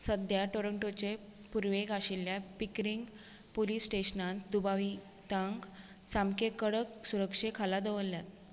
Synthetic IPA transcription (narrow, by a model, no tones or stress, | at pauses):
səd̪jaʈoɾəɳʈot͡ɕe | puɾʋeɡaɕiljapikɾiŋɡ | poliːsʈeɕnãnt̪d̪ubaʋi | t̪aŋɡ | t͡samkekəɽəksuɾəkʂekʰalad̪əʋəlːjat̪̚